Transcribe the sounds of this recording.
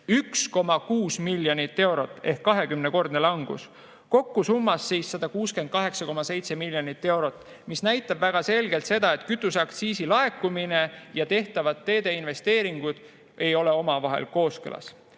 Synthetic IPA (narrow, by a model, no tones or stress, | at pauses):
yksko̞mɑkuːsmilʲːjonit̪ːe̞wɾo̞t̪ːˑe̞hkːɑɦe̞kymneko̞rd̪̥nelɑŋɡ̥ṵs | ko̞kːusumːɑsːiːsːɑd̪̥ɑkuːske̞nd̪̚kɑɦe̞ksɑko̞mɑse̞jt̪se̞milʲːjonit̪ːe̞wɾo̞t̪ːˑ | misnæjt̪ːˑɑbvæɡ̥ɑse̞lɡ̥e̞lt̪se̞d̪̥ɑe̞t̪ˑkyt̪ːˑusɑkt̪siːsilɑekːˑumine̞jɑt̪e̞ht̪ɑvɑt̪ːe̞ːd̪̥e̞inve̞st̪e̞ːɾiŋɡ̥ud̪̥ | e̞jo̞le̞o̞mɑvɑɦe̞̰lko̞ːskɯ̰lʔɑ̰s